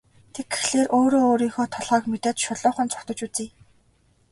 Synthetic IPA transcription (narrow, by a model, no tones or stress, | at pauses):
t̪ʰeɡ̚ɡe̥xɮeːrʔoːɾoːoːɾiːŋxɔːt̪ʰɔɮʁɔːkmet̪eːt̪ʃʊɮʊːχə̆nt͡sʊ̥kt̪ɞ̆t͡ɕut͡siː